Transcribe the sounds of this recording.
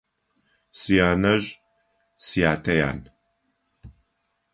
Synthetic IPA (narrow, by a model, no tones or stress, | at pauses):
sijaːnɐʑʼ | sijaːtʰɐja̰ːn